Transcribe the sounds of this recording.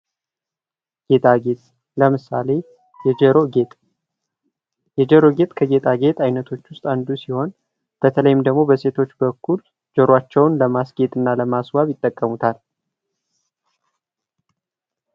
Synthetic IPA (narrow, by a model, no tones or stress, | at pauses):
ɡ̥e̞t̪ʰʼaɡet̪ʼ | ləmɨsale̞ | jɛd͡ʒɛɾoɡet̪ʼ | jɛd͡ʒəɾo̞ɡe̞t̪ʼkʰəɡe̞t̪ʰʼaɡe̞t̪ʼajnət̪ʰo̞t͡ʃːwʊst̪ʼand̪usiho̞n | b̥ət̪ʰələjɪmd̪əɡmo̞bəse̞t̪ʰo̞t͡ʃːbəkʰːul | d͡ʒəɾwat͡ʃːɛwnləmasɡe̞t̪ʼɨnːaləmaswaβjɪt̪ʼːəkʼːəmut̪ʰal